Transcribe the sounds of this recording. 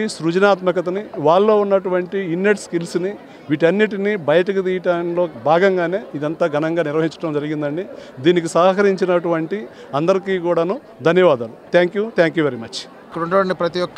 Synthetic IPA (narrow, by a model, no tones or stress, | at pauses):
sɾud͡ʒɐnaːt̪mɐkɐt̪̬ɐniʋaːɭːo̞ːunːɐʈuʋɐɳʈiinːeʈskilsni | ʋiːʈ̬ɐnːiʈinibɐjɐʈ̬ɐkut̪̬iːjɐʈaːnlo̞ːbʱaːɡɐŋɡaːne̞ːid̪ɐnt̪aːɡʱɐnɐŋɡaːniɾʋɐɦiɲt͡ʃɐʈɐmd͡ʒɐɾiɡind̪ɐɳɖid̪iːnikisaːɦɐkɐɾiɲt͡ʃinɐʈuʋɐɳʈi | ɐnd̪ɐɾikiːkuːɽaːnu | d̪ʱɐnjɐʋaːd̪aːlut̪ʰaːŋkjuːt̪ʰaːŋkjuːʋe̞ɾimɐt͡ʃ | ikːɐɽuɳɖɐʈɐɳʈipɾɐt̪ijɔkː